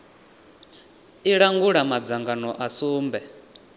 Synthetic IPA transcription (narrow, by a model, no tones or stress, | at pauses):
iɺaŋɡuɺamad͡zaŋɡanɔʔasuːmbɛ